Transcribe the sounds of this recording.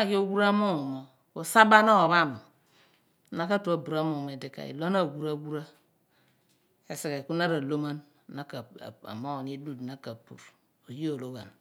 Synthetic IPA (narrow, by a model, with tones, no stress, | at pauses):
a˦˨ji˦o˦ɡu˦ɾa˦mo˦o˨ma˨ | o˨sa˦ba˦na˦wa˨βa˦˨mo˨ | na˦ka˦tu˨a˨bu˨ɾa˦mo˨me˨di˨ka̰˨ḭ˨lo˦na˦˨ɡu˦ɾa˦ɡu˦ɾa˦ | e˨se˨ka˨ku˦na˦ɾa˨lo˦ma˦n˨ | na˦ka̰˨a̰˨mo˦wo˨ni˦du˦dna˦ka˨pṵ˨ɾ | o˨ji˦o˨lo˦ɡa˨n